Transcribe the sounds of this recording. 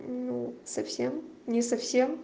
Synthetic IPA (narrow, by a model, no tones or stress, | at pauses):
nusɐfsʲemnʲɪsɐfsʲem